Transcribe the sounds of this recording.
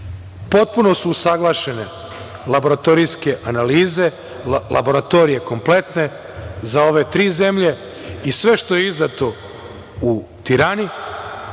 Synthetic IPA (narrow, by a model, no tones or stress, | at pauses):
po̞t̪̚puno̞suːsaɡlˠaːʃe̞ne̞ | labo̞ɾat̪o̞ɾijske̞ʔanaliːze̞ | lʔa̰bo̞ɾat̪o̞ɾije̞ko̞mple̞t̪ne̞ | zao̞ʋe̞t̪ɾiːze̞mʎe̞ | isʋe̞ʃt̪o̞jeizd̪at̪o̞ | ut̪iɾaːni